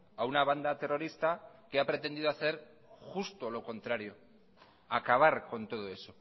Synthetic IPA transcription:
aunaβ̞and̪at̪e̞ro̞ɾist̪akeapɾe̞t̪e̞nd̪iðoaθe̞ɾ | xust̪o̞lo̞ko̞nt̪ɾaɾjo̞ | akaβ̞aɾko̞nt̪o̞ð̞o̞e̞so̞

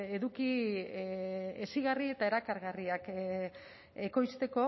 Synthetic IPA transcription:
e̞ðuki | esiɣarie̞t̪ae̞ɾakaɾɣariak | e̞ko̞jst̪e̞ko̞

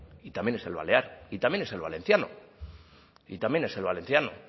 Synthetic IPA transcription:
it̪amjense̞̰lβa̰le̞aɾit̪amjene̞selβa̰lẽ̞n̟θjano̰ | it̪amje̞ne̞se̞lβalẽ̞nθjano̰

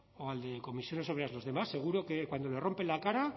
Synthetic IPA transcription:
oald̪e̞ko̞misjo̞nesoɾeazlo̞zðemasːe̞ɣ̞uɾokekwand̪ole̞ro̞mpe̞lakaɾa

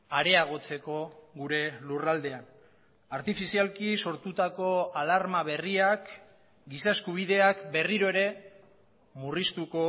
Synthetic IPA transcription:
aɾe̞aɣ̞o̞t͡se̞ko̞ɣuɾe̞lurald̪e̞an | aɾt̪ifisialkiso̞ɾt̪ut̪ako̞alaɾmaβ̞e̞riak | ɡisaeskuβ̞ið̞e̞akbe̞riɾo̞e̞ɾe̞ | murist̪uko̞

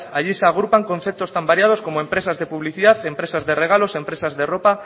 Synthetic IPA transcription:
aʎiseaɣ̞ɾupaŋkõ̞nθep̚t̪ost̪ambaɾjað̞o̞skomoempɾe̞sazðe̞puβliθiðaθempɾe̞sazðe̞reɣ̞alose̞mpɾesazðeropa

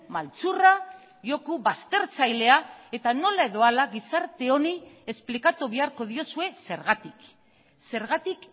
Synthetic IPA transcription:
malt͡sura | ʝo̞kuβast̪e̞ɾt͡sajle̞ae̞t̪ano̞lae̞ðo̞alaɣisaɾt̪e̞o̞nie̞splikat̪uβiaɾko̞ð̞io̞sue̞se̞ɾɣat̪ik | se̞ɾɣat̪ik

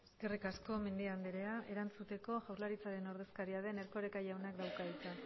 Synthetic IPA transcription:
eske̞rikasko̞me̞nd̪iand̪eɾe̞aʔe̞ɾant͡sut̪e̞ko̞ʝawɾlaɾit͡saɾe̞no̞ɾð̞e̞skaɾiaðe̞neɾko̞ɾekajawnakd̪awkaðit͡s̪a

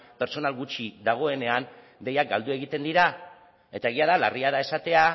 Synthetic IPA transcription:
pe̞ɾt͡ʃo̞nalɣut͡ʃiðaɣ̞o̞e̞ne̞an | d̪e̞jak̚ɡald̪ue̞ɣ̞it̪e̞nd̪iɾa | e̞t̪ae̞ɣ̞iaðala̰riaðae̞sat̪e̞a

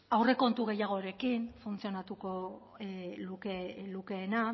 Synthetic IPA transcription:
awre̞ko̞nt̪uɣe̞jaɣ̞o̞ɾe̞kinfunt͡sio̞nat̪uko̞ | lukeluke̞ːna

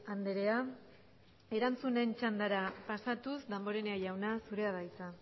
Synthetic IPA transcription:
and̪eɾe̞a | e̞ɾant͡sune̞nt͡ʃand̪aɾapasat̪usd̪ambo̞ɾeneajawnasuɾe̞aðajt͡sa

